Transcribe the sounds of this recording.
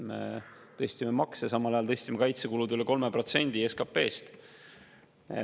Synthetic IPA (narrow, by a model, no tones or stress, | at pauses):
mḛ | t̪ɤ̞sʲt̪ʲimemɑksjɑsɑmɑlɑjɑlt̪ɤ̞sʲt̪ʲimekɑjt̪sekulud̪yleko̞lmepro̞t̪se̞nʲd̪̥ieskɑpːe̞̰ːst̪